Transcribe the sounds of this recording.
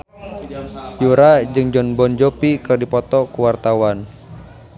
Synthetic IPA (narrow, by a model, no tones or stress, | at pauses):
juɾad͡ʒɨŋd͡ʒɔnbɔnd͡ʒɔpikɨrdipɔt̪ɔkuwart̪awan